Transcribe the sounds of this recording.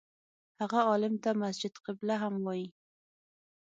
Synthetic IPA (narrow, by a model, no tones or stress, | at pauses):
haɣaɑlɪmt̪amasd͡ʒɪd̪qɪblaɦamwɑji